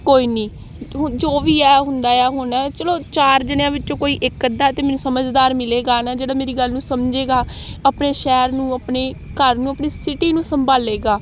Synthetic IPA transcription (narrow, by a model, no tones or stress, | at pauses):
koːiːnĩː | ɦd͡ʒoːʋiːɛːɦʊnd̪aːjaːɦʊnɛːt͡ʃəloːt͡ʃaːɾd͡ʒənjãːʋɪt͡ʃt͡ʃõːkoːiːʔɪkːəd̪aːt̪eːmɛːnũːsəməd͡ʒd̪aːɾmɪleːɡaːnaːd͡ʒeːɽaːmeːɾiːɡəlnũːsəmd͡ʒeːɡaː | əpneːʃɛːɾnũːəpneːkəɾnũːəpniːsɪʈiːnũːsəmbʱaːleːɡaː